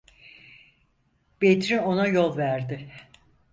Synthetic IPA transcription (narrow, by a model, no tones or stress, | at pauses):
b̥et̪ɾio̞najo̞lˠvæɾd̪ɪ